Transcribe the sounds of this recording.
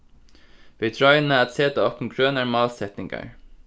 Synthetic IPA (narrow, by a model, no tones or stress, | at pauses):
ʋɪːt̪ʰɾɔʏənəæt̪seːt̪əɔpm̩ɡɾønəɹmɑːlsɛt̪nɪŋɡɑ̰ɹ